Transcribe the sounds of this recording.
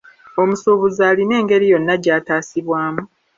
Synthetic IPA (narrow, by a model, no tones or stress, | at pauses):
o̞musuːβuzaːline̞ːŋɡe̞ɾijo̞nːaɟaːtaːsiβwaːmu